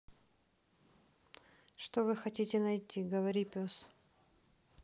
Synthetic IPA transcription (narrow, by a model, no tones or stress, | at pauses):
ʂt̪ovɨxɐtʲitʲɪnɐjt̪ʲːiɡəvɐɾʲipʲos